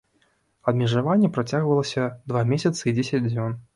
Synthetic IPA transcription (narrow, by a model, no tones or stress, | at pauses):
ɐd̪mʲɛʐavanʲːɛpɾat͡sʲaɣvɐlˠɐsʲɐd̪vamʲesʲɐt̪sɨid͡zʲesʲɐd͡zʲd͡zʲɔn